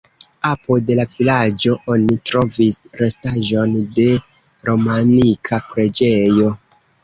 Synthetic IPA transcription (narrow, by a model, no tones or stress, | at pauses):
apode̞lavilad͡ʒo̞ʔo̞nitɾo̞visɾe̞staʒo̞nde̞ | ɾo̞manikʰapɾe̞d͡ʒe̞jo̞